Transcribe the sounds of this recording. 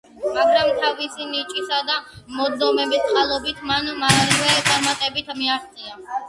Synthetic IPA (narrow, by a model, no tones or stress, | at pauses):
maɡɾamt̪ʰavisinit͡ʃʼisad̪amɔd̪ɔmɛbɛst̪qʼalˠɔbit̪ʰmanmaalivɛt̪ʼaɾmat̪ʼɛbit̪ʰmiaχt̪sʰʼia